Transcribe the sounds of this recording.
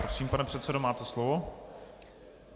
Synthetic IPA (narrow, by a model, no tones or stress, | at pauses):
ɾosiːmpanɛpr̝̥ɛt̪sɛdomaːt̪ɛslovo